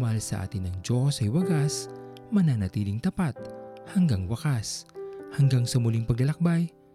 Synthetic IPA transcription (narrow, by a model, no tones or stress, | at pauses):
mɐhalsɐ̰ʔa̰ːt̪ɪnɐŋd͡ʒosɐjwɐɡasmɐnanɐt̪iːlɪŋt̪ɐpat̪̚hɐŋɡaŋwɐkashɐŋɡaŋsɐmʊliŋpɐɡlɐlɐk̚baj